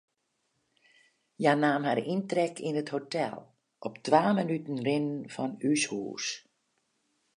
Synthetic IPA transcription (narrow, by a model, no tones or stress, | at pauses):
janaːmharintrɛkʰinəthotɛ̰lˠ | ʔɔptʰʋaːmənytn̩rɪnənfɔnyshṵːs